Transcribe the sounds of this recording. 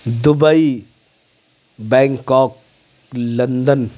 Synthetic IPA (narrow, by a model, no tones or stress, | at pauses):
d̪ubəi | bɛ̃ːŋkɔːk | lɐnd̪ən